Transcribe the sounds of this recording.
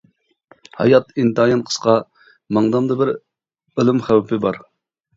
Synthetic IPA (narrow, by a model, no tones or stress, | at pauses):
hɑ̰jɑt̪int̪ɑjɑnqʰə̥sqɑ | mɑŋd̪ɑmd̪ɨbɪɾ | elˠɪmχæwpʰɪbɑɾ